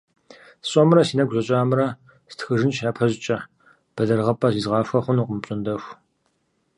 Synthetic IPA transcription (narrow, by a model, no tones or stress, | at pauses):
ɕʼɔmɾɐsiːnɐɡʷzʷɐɕʼaːmɨɾɐ | stʰxɨʒɪnʃaːpʰɐʑt͡ʃʼɐ | b̥ɐdɐrʁɐpʼɐziːzʁɑːfʷɐχʷʊnuːqʼəmɕʼɪndɐxʷ